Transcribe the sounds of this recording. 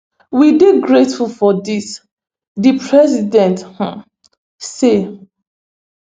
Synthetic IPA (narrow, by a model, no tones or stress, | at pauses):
wideɡɹetfulfɔdis | dipʰɹɛzidɛ̃nth̩ | se